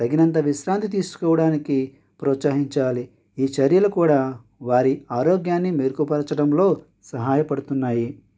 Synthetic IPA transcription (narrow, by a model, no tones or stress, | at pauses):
d̪̥ɐɡinɐnt̪ɐʋiʃɾaːnt̪it̪̬iːsu̥kɔːʋɐɽaːniki | pɾɔːt̪saːɦiɲt͡ʃaːli | iːt͡ʃɐɾjɐlukuːɽaː | ʋaːɾiaːɾoːɡjaːnːimeːɾkupɐɾt͡ʃɐɽɐmlo̞ː | sɐɦaːjɐpɐɽut̪unːaːji